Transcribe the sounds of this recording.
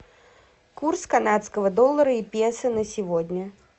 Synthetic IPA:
kurskɐnat̪skəvəd̪olˠːəɾəipʲjesɨnəsʲɪvodʲnʲə

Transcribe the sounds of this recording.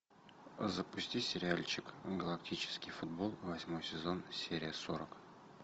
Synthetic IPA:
zəpʊsʲtʲisʲɪɾʲɪalʲt͡ɕɪkɡəlˠɐk̚tʲit͡ɕɪ̥skʲɪjfʊd̪bo̞lˠvɐsʲmo̞jsʲɪzo̞nsʲeɾʲɪjəsoɾək

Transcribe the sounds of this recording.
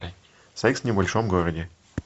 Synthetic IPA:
sɐiksnʲɪbɐlʲʂomɡoɾədʲɪ

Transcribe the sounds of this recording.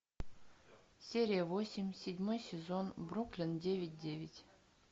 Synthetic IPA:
sʲeɾʲijəvosʲɪmʲsʲɪdʲmojsʲɪzonbruklʲɪndʲevʲɪt̚ʲdʲevʲɪtʲ

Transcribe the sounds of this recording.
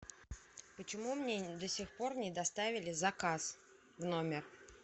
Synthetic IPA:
pət͡ɕɪmumnʲed̪əsʲɪxpo̞rnʲɪd̪ɐst̪avʲɪlʲɪzɐkas | vnomʲɪr

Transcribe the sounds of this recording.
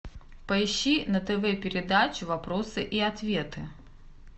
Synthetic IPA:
pɐjɕːinɐt̪ɛvɛpʲɪɾʲɪd̪at͡ɕʊvɐpɾosɨʔiat̪vʲet̪ɨ

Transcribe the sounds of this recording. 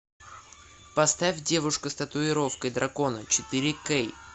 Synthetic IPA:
pɐst̪afʲdʲe̞vʊʂkʊst̪ət̪ʊɪɾo̞fkəjd̪ɾʔɐko̞nət͡ɕɪt̪ɨɾʲɪkej

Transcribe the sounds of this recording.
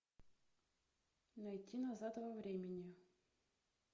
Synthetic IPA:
nɐjt̪ʲʰːinɐzat̪vɐvɾʲemʲɪnʲɪ

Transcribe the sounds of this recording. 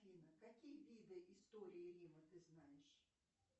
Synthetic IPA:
inəkɐkʲijəvʲid̪ɨʔɪst̪oɾʲɪɪɾʲimət̪ɨznajɪʂ

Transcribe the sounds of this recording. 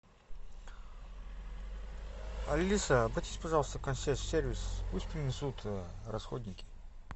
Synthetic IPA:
ɐ̰lʲːisəːbɐjt̪ʲisʲpɐʐɑlˠəst̪əkɐnʲsʲesʲervʲɪspusʲpɾʲɪnʲɪsut̪ʰrɐsxodʲnʲɪkʲɪ̥

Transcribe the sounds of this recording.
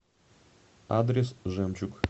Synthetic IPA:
ad̪ɾʲesʒemt͡ʃuk

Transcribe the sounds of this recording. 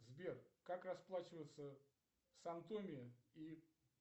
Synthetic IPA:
zbʲerkakrɐsplˠat͡ɕɪvəjɪt̪sə | sɐnt̪omʲɪi

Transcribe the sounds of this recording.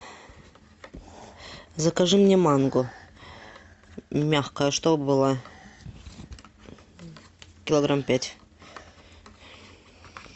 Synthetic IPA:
zɐkɐʐɨmnʲemɑnɡʊ | mʲaxkəjəʂt̪obɨlˠa | kʲɪlˠoɡrampʲætʲ

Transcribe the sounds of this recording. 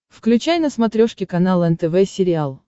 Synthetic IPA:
fklʲʉt͡ɕajnəsmɐt̪ɾʲoʂkʲɪkɐnalˠɛnt̪ɛvɛsʲɪɾʲɪalˠ

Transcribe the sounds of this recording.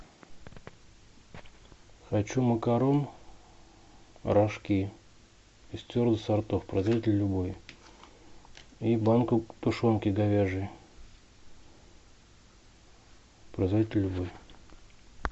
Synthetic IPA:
xɐt͡ɕuməkɐɾom | ɾʔɐʂkʲi | ist̪ʲord̪ɨsɐrt̪ofpɾɐzvɐitʲɪlʲlʲːʊboj | ibankʊt̪ʊʂonkʲɪɡɐvʲeʐɨj | pɾɐzvɐit̪ʲlʲlʲːʊboj

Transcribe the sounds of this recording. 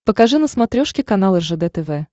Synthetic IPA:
pəkɐʐɨnəsmɐt̪ɾʲoʂkʲɪkɐnalˠɛʐɛd̪ɛt̪ɛvɛ

